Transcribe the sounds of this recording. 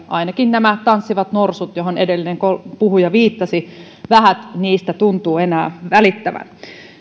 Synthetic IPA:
ʔɑ̰inɑkinnæmæt̪ɑnsːiʋɑt̪norsut̪joɦonedelːineŋkopuhujɑʋiːt̪ːɑsi | ʋæɦæt̪niːst̪æt̪unt̪uːenæːʋælit̪ːæʋæ̰n

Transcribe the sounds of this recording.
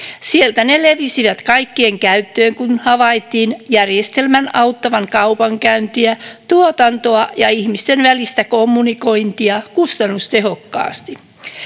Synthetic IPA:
sielt̪æneleʋisiʋæt̪kɑikːieŋkæyt̪ːøːŋkunhɑʋɑjt̪ːiːnjærje̞st̪e̞lmænɑwt̪ːɑʋɑŋkɑupɑŋkæynt̪iæt̪uot̪ɑnt̪oɑjɑihmist̪enʋælist̪ækomːuniko̞int̪iɑkust̪ɑnːust̪e̞ɦo̞kːɑ̰ːst̪i

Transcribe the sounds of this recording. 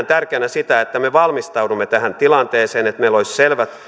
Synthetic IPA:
nt̪ærkeːnæsit̪æet̪ːæmeʋɑlmist̪ɑudumːet̪æhænt̪ilɑnt̪eːseːnet̪meiloisselʋæt̪

